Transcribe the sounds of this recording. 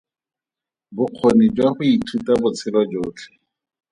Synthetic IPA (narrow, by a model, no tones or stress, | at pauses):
bʊq͡χʰonid͡ʒwaχʊitʰutabʊt͡sʰɪlwad͡ʒoːt͡ɬʰɛ̥